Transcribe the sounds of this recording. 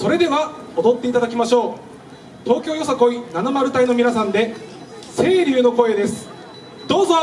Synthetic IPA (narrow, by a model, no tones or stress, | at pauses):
so̞ɾe̞d̪e̞βaod̪o̞t̪ːe̞it̪ad̪akʲimaɕo̞ː | t̪o̞ːkʲo̞ːjo̞sako̞inanamaɾɯ̟t̪aino̞mʲinasãnd̪e̞ | se̞ːɾʲɨːno̞ko̞e̞d̪e̞sɨ̥ | d̪o̞ːzo